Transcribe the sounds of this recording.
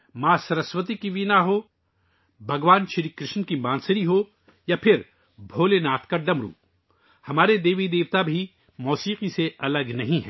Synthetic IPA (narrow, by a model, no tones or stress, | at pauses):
maːsɐɾəswət̪ikiʋinaɦo | bʱɐɡʋaːnʃɐɾikɾɪʃnkimãːnsəɾiɦoː | japʰɪɾ | bʱoːlenaːt̪ʰkaɖɐmɾṵ̃ː | hɐmaːɾed̪eːʋid̪eːʋt̪abʱi | mɔːsiːqiseɐləɡnɐɦĩɦɛ̰̃ː